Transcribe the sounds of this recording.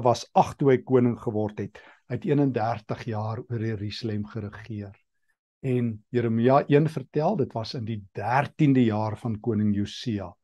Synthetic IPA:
vɐsɐχtuəjkuənəŋχəvɔrtɦɛt | ɦətiənəndæːrtəχjɑːruəɾjəɾyslɛmχəɾəχiər | ɛnjəɾəmiɑʔiənfərtælˠdətvɐsəndidærtindəjɑːrfɐnkuənəŋjusiɑ

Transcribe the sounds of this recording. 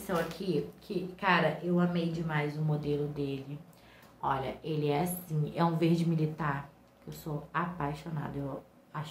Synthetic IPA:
sɐ̃w̃ɐkʰɪkʰɪkaɾɐʔewɐ̃mejd͡ʒɪmajzʊmod̪elʊd̪elɪ | ɔʎɐ̰ʔelɪɛasĩɛũveɾd͡ʒɪmilit̪aɾ | kɪewsoapajʃona̰d̪ɐew | aʃ

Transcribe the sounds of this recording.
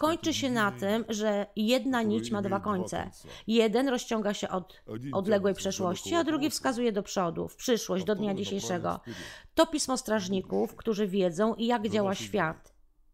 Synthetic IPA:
kɔɲt͡ʂɘɕɛnat̪ɘmʐɛjɛd̪naɲit͡ɕmad̪vakɔɲt̪sɛ̰jɛd̪ɛnɾɔɕt͡ɕɔŋɡaɕɛʔɔt̪ʔɔd̪lɛɡwɛjpʂɛʂwɔɕt͡ɕiad̪ɾuɡʲifskazujɛd̪ɔpʂɔd̪ṵfpʂɘʂwɔɕʑd͡ʑd̪ɔd̪ɲad͡ʑiɕejʂɛɡɔ̰t̪ɔpʲismɔst̪ɾaʐɲikufkt̪uʐɘvʲjɛd̪zɔ̃w̃ʔijaɡd͡ʑawaɕfʲjat̪

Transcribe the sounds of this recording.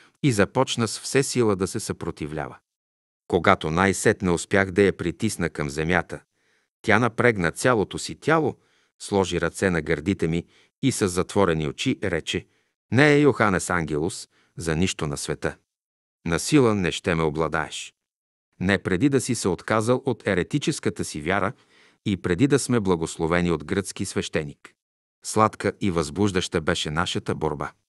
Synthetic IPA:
izɐpɔt͡ʃnəsfsɛsilˠəd̪ɐsɛsɐpɾot̪ivlʲa̰və̰ | koɡat̪onajsɛt̪nɛʊspʲjaxd̪ɐjɐpɾit̪isnəkɐmzɛmjat̪ə | t̪ʲjanɐpɾɛɡnət̪sʲjalˠot̪osit̪ʲalˠo | slˠɔʒiɾɐt̪sɛnɐɡɐɾd̪it̪ɛmiː | səzːɐt̪vɔɾɛniot͡ʃiɾɛt͡ʃɛ | nɛɛjoxanɛsaŋɡ̟ʲɛlˠos | zɐniʃt̪onɐsvɛt̪ə | nɐsilˠənɛʃt̪ɛmɛoblˠɐd̪a̰ɛ̰ʃ | nɛpɾɛd̪id̪ɐsisɛot̪kazəlˠot̪ʰɛɾɛt̪it͡ʃɛskət̪əsivjaɾə | ipɾɛd̪id̪ɐsmɛblˠɐɡoslˠovɛniod̪ɡɾət̪sk̟isvɛʃt̪ɛnik | slˠat̪kəivɐzbluʒd̪ɐʃt̪əbɛʃɛnaʃɐt̪əboɾba̰

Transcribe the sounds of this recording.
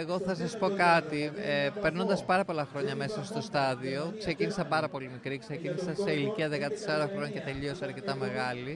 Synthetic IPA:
eɣo̞θɐs̬ɐsu̥po̞kɐt̪iepeɾno̞nd̪ɐspɐɾɐpo̞lɐxɾo̞ɲɐme̞sɐst̪o̞st̪ɐðio̞kse̞cinisɐpɐɾɐpo̞limikɾikse̞cinisɐseiliciɐðe̞kɐt̪e̥sɐɾoxɾo̞ɲɐce̞t̪e̞ʎiosɐɾce̞t̪ɐme̞ɣɐli

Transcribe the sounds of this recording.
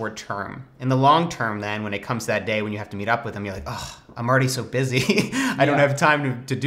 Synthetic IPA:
ɔɹtʰɜ̰̃˞m | ɨ̃nðəlɔ̃ŋtʰɜ̃˞mðɨ̃nwə̃ñɨt̚kʰʌ̃mztʰðɨt̚d̥eɪwɨ̃njɨhæftɨmiɾʌpwɨðɨ̃mjə˞laɪkɔʔãɪ̃ml̩ˠɹɛɾisoʊbɪziaɪɾõʊ̃nthɨv̥tʰãɪ̃mtɨtɨd

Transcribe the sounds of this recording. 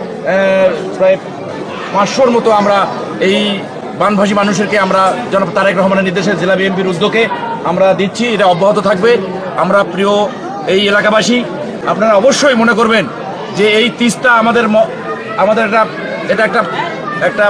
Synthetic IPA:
pɾae | pãt͡ɕʃoɾmɔt̪oamɾa | ej | banbʱaʃimanuʃ̬eɾkeamɾad͡ʑɔnt̪aɾekɾɔɦomaneniɾd̪eʃeɾd͡ʑelabiempiɾud̪ːoɡeamɾad̪it̪ːt͡ɕʰieʈaɔbːaɦot̪ot̪ʰak̚be | amɾapɾio | ejelakabaʃi | a̰pnaɾaɔboʃːojmonekoɾben | d͡ʑeejt̪istaamad̪eɾmɔ | amad̪eɾɛʈa | eʈaɛk̚ʈa | ɛk̚ʈa

